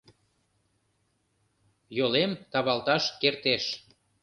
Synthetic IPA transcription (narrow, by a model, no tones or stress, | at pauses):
jolemt̪ɑβɑlt̪ɑʃkert̪eʃ